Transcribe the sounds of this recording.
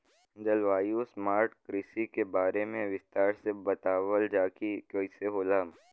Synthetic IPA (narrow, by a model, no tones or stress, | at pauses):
nd̪əlʋaːjusmaːɾʈkɾɪsikebaːɾemẽʋɪst̪aːɾsebɐt̪aːʋəld͡ʒaːkikjoːiseɦoːlaːm